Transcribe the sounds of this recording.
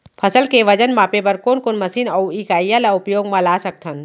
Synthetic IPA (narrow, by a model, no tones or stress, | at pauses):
pʰɐsəlkeʋɐd͡ʒənmãːpepɐɾkoːnkonmɐsiːnɐuiːkaːjalaʊpjoːɡmãlaːsɐk̚t̪ʰən